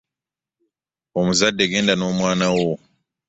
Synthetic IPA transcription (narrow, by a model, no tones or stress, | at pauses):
omuzadːe̞ɡe̞ːndano̞ːmwaːnawo